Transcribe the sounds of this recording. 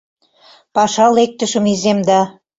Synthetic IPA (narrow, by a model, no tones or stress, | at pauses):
pɑʃɑlek̚t̪ə̆ʃə̆mizemd̪ɑ